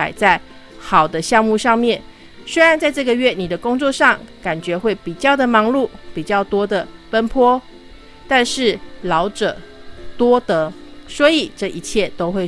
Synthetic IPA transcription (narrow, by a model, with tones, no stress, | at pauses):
a̰˨˩ɪt͡sa˥˩ɪ | xɑ˨˩ʊd̪ə˦ɕjɑ˥˧ŋmu˥˧ʂɑ˥˧ŋmjɛ˥˩n | swe˥ɻa˨˦nt͡sa˥˧ɪʈ͡ʂɤ˥˩ɡə˨ɥɛ˥˩ni˨˩d̪ə˦kʊ˥ŋt͡swɔ˥˧ʂɑ˥˨ŋka˨˩nt͡ɕɥɛ˧˥xwe˥˩ɪpi˨˩t͡ɕjɑ˥˩ʊd̪ə˩mɑ˧˥ŋlu˥˩pi˨˩t͡ɕjɑ˥˩ʊt̪wɔ˥d̪ə˨pə˥npʰwɔ˥ | t̪a˥˧nʂɻ̩˥˩lɑ˧˦ʊʈ͡ʂɤ̰˨˩t̪wɔ˥t̪ə˧˦swɔ˧˥i˨˩ʈ͡ʂɤ˥˩ʔi˧˥t͡ɕʰjɛ˥˩t̪o˥ʊxwe˥˧ɪ